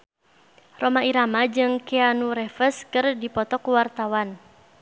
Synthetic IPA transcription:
romaiɾamad͡ʒɨŋkɛanuɾɛfəskɨrdipɔt̪ɔkuwart̪awan

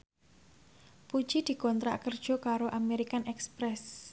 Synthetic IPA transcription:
pud̥ʒ̥id̪̥i̤kɔnt̪ɾa̰kərd̥ʒ̥ɔ̤kaɾoʔameɾikanʔɛkspɾɛs

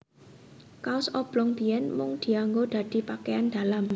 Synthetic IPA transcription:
kaʊsɔb̥lɔŋb̥i̤ɛnmʊŋd̪̥i̤aŋɡod̪̥ä̤d̪̥i̤pakeand̪̥a̤lam

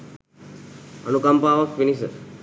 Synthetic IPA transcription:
ənukampaːʋəkpinisə

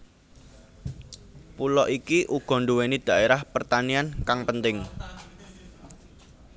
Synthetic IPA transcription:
pulɔʔikiʔuɡ̥ɔ̤nɖuwenid̪̥a̤ʔeɾahpərt̪aniankaŋpənt̪ɪŋ

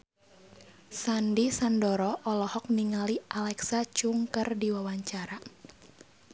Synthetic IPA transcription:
sandisandɔɾɔʔɔlɔhɔk̚niŋaliʔalɛksat͡ʃuŋkərdiwawaɲt͡ʃaɾa

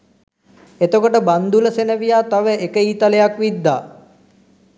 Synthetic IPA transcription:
et̪əkoʈəband̪uləsenəʋijaːt̪aʋəʔekəiːt̪alejakʋid̪ːa̰ː

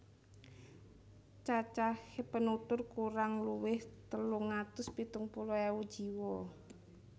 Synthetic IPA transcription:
t͡ʃat͡ʃahepənut̪ʊrkuɾaŋluwɪht̪əluŋat̪ʊspit̪ʊŋpulɔɛud̥ʒ̥iwɔ

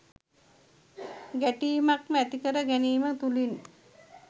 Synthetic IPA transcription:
ɡæʈiːmakmæt̪ikəɾəɡæniːmət̪ulin

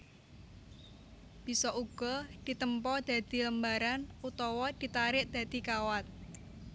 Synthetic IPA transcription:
b̥i̤sɔʔuɡ̥ɔ̤d̪̥i̤t̪əmpɔd̪̥ä̤d̪̥i̤ləmbaɾanut̪ɔwɔd̪̥i̤t̪aɾɪʔd̪̥a̤d̪̥i̤kawat̪̚

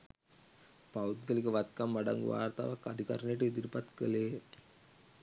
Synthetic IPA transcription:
pawt̪ɡəlikəʋat̪̚kamʋaɖa̰ŋɡʋa̰ːɾt̪a̰ːʋakːad̪ʱikaɾnəjəʈəid̪iɾipat̪kəleː

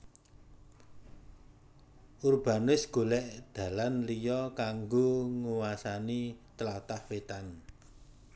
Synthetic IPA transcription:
ʔurb̥a̤nɪsɡ̥o̤lɛʔd̪̥ä̤lanlijɔkaŋɡoŋuwasanit̪əlat̪ahwet̪an

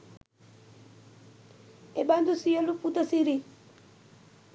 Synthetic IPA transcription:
eband̪usijoluput̪asiɾi

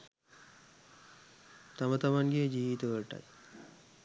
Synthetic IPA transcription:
t̪amət̪amaŋɡejəd͡ʒiːʋit̪əʋəɾəʈa̰j

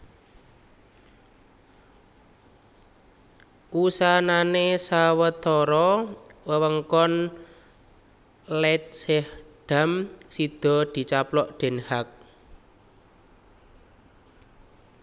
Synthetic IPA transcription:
ʔusananesawət̪ɔɾɔwəwəŋkɔn | lɛt̪̚sɛhɖ̥a̤msid̪̥ɔ̤d̪̥i̤t͡ʃaplɔʔɖ̪̥e̤nhak̚

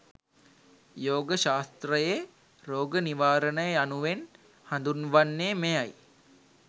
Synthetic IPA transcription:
joːɡəʃaːst̪ɾəje | ɾoːɡəniʋaːɾənəjəanuʋen | hand̪unʋanːeːmejaj

